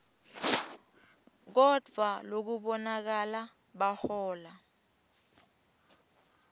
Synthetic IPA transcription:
k̬ɔd̥ʱwalok̬uɓɔnak̬ala | ɓahɔːla

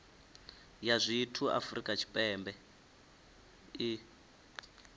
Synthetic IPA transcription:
jazʷitʰua̰frikʼat͡ʃʰi̥pʼɛːmbɛ | i

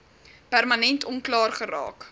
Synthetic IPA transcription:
pærmɐnɛntʰɔnklɑːrχərɑ̰ːk

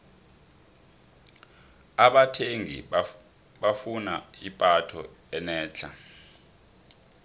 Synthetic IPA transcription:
aɓatʰeŋḭ | ɓafunaipʼatʰɔ̰ɛnɛːt͡ɬʰa̰

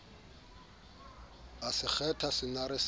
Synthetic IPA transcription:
asɪk͡xʰɛtʰasɪnaɾɪs

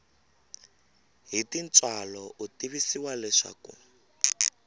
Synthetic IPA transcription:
ɦitint͡sʼwalɔʔutiβisiwalɛʂa̰kṵ

